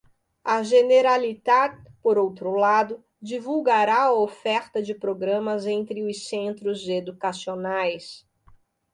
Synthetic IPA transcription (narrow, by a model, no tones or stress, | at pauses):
ɐʒeneɾalit̪adpoɾowt̪ɾʊlad̪ʊ | d͡ʒivuwɡaɾaɐofɛɾt̪ɐd͡ʒɪpɾoɡɾɐ̃mɐzẽnt̪ɾɪʊsẽnt̪ɾʊzed̪ukasionajs